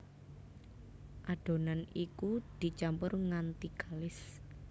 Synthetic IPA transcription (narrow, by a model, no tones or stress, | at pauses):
ʔaɖ̥o̤nanikud̪̥i̤t͡ʃampʊrŋant̪iɡ̥alɪs